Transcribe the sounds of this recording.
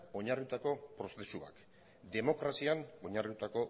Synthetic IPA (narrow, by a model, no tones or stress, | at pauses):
o̞ɲarut̪ako̞pɾo̞se̞sua̰k | d̪e̞mo̞kɾasiano̞ɲarut̪ako̞